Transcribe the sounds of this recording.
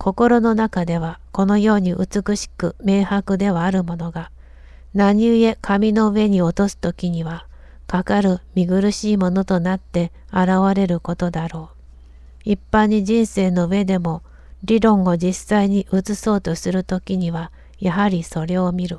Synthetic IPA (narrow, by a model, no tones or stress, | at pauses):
kʰo̞ko̞ɾo̞no̞nakad̪e̞β̞ako̞no̞jo̞ːɲ̟iʔɯ̟̰t͡sɨkɯ̟ɕi̥kɯ̟me̞ːhakɯ̟d̪e̞β̞aːɾɯ̟mo̞no̞ɡa | naɲ̟ie̞kʰamʲino̞ɯ̟e̞ɲ̟io̞t̪o̞sɨ̥t̪o̞kʲiɲ̟iβa | kakaɾɯ̟mʲiɡɯ̟ɾɯ̟ɕiːmo̞no̞t̪o̞nat̪ːe̞ | aɾaβaɾe̞ɾɯ̟ko̞t̪o̞d̪aɾo̞ː | ipːãɲ̟ːiʑĩɰ̃se̞ːno̞ɯ̟e̞d̪e̞mo̞ | ɾʲiɾõ̞ŋ̃o̞d͡ʑisaiɲ̟iʔɯt͡sɨso̞ːt̪o̞sɨɾɯ̟t̪o̞kʲiɲ̟iβa | jaɦaɾʲiso̞ɾe̞o̞mʲiɾɯ̟